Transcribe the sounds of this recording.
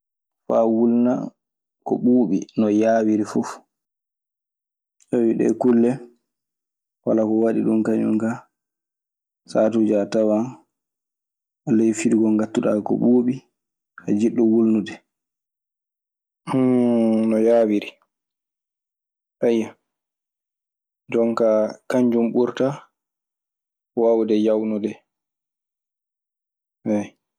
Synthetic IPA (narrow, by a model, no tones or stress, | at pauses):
fawulna̰ | kɔ̰ɓuːɓḭnɔjaːwiɾifuf | sowiɗɛ̰kulːɛ | walakɔwaɗiɗumkaɲṵŋka | saːtud͡ʒatawa | ʔalejfiɾiɡɔŋɡatːuɗa̰kɔ̰ɓuːɓi | a̰d͡ʒiɗːɔwulnudɛ | nɔjaːwiɾi | ʔajːa | d͡ʒɔŋkakaɲd͡ʒumɓuɾta | wawdɛjawnudɛ | ɛ